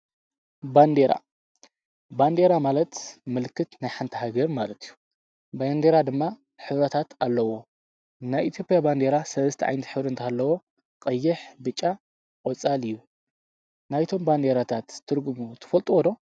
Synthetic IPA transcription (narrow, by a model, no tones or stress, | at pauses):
band̪eɾa̰ | band̪e̞ɾamalɐt̪mɨlkʰːɨt̪najħant̪ʰiɦaɡɐɾmalɐt̪ʰijːu | band̪e̞ɾad̪ɨmːa | ħɨβɾɐt̪ʰat̪alːɐwo̞ | najʔit̪ʰjo̞pʼjaband̪e̞ɾasɐlɐst̪ʰḭʕa̰jnt̪ħɨβɾɨnt̪ʰahalːɐwo̞ | qʼɐjːɪħbɨt͡ʃʼːa | kʼot͡sʼalɨjːu | najt̪ʰo̞mband̪e̞ɾat̪ʰat̪ʰːɨɾɡumut̪ʰɐ̥fɐlt̪ʼuwɔd̪o̞